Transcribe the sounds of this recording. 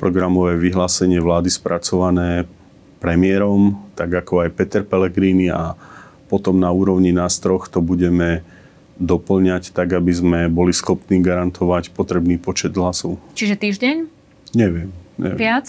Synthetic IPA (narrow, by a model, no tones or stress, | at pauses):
pɾɔɡɾamɔʋɛːʋiɦlaːsɛɲɪɛʋlaːd̪ispɾʔat͡sɔʋanɛː | pɾɛmɪɛɾɔmt̪aɡakɔajpɛt̪ɛɾpɛlɛɡɾiːnia | pɔt̪ɔmnauːɾɔʊɲinaːst̪ɾɔxt̪ɔbuɟɛmɛ | d̪ɔpl̩ɲact̪aɡabizmɛbɔlisxɔpniːɡaɾant̪ʰɔʋacpɔt̪ɾɛbniːpɔt͡ʃɛd̪ɦlasɔt͡ʃiʒɛt̪iːʒɟɛɲ | ɲɛʋɪɛmɲɛ̰ɪat͡s